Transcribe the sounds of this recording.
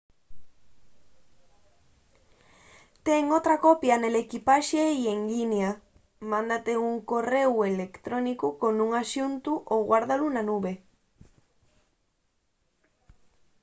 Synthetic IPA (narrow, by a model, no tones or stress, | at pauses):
t̪eŋot̪ɾakopjanelekipaʃeieŋɡinja | mãnd̪at̪euŋkorewelekt̪ɾonikukonũŋaʃunt̪uʔoɣwaɾðalunanuβe